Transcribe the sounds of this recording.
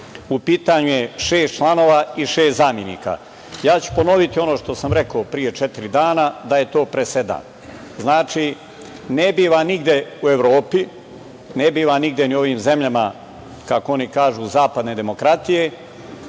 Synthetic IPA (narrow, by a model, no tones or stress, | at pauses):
upiːt̪aɲuje̞ʃe̞ːst̪̚t͡ʃlˠano̞ːʋaiʃeːst̪zaːmje̞nḭːka̰ | jaːt͡ɕu̥po̞no̞ʋit̪io̞noːʃt̪o̞samɾe̞koːpɾije̞t͡ʃet̪iɾid̪aːnad̪aje̞t̪o̞ːpɾese̞d̪a̰ːn | znaːt͡ʃi | nebiːʋaniɡd̪je̞ue̞ʋɾo̞ːpi | nebiːʋaniɡd̪ʲje̞nio̞ʋiːmze̞mʎama | kakoo̞nikaːʒuːzaːpad̪ne̞d̪e̞mo̞kɾat̪ije̞